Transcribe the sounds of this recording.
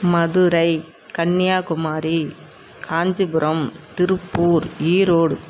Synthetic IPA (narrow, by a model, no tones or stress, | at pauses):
mɐðɯɾɐɪ | kɐnːɪjaːkʊmaːɾi | kʰaːɲd͡ʒɯbɯɾʔɐmt̪ɪɾɯpːuːɾiːɾoːɽ